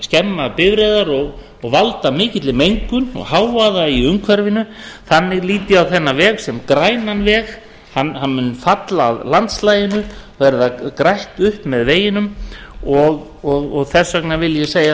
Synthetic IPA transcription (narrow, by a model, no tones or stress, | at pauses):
scɛmːapɪvɾejðaɾɔɣ | ɔɣvalt̪amɪːcɪt̪lɪmejŋkʏnɔ̰ɣhaːwvaðaiʏŋkʰvɛɾvɪnʏθanːɪɣliːt̪ɪawθɛnːavɛːɣsɛmkɾaːjnanvɛːɣ | hanhanmʏnfat̪la̰ːðlant̪slaːjɪnʏvɛɾðakɾajht̪ʏhpmɛðveːjɪnʏmɔɣɔɣɔɣθɛsːœknavɪljɛseːja